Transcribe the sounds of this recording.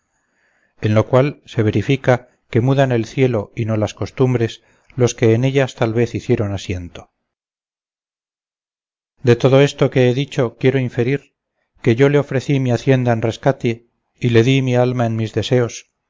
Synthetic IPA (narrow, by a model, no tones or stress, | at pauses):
e̞nlo̞kwalse̞β̞e̞ɾifika | ke̞muðane̞lθje̞lo̞ino̞lasko̞st̪umbɾe̞s | loske̞ːne̞ʎast̪alβ̞e̞θiθje̞ɾo̞nasje̞nt̪o̞ | d̪e̞t̪o̞ðo̞e̞st̪o̞ke̞eðit͡ʃo̞kje̞ɾo̞iɱfe̞ɾiɾ | ke̞ʝo̞le̞o̞fɾe̞θimiaθje̞nd̪aenre̞skat̪e | ile̞ðimialmaenmizðe̞se̞o̞s